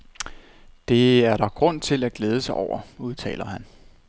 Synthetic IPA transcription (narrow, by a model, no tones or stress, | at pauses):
d̥e̝æɐɾɑ̈ɡ̥ʁɔ̽n̰t͡sʰe̝læɡ̥leːð̞ˠəsɑ̈ɪʔɒ̰ʊ̰ɐuð̞ˠt͡sʰɛ̰ːlɐɦæn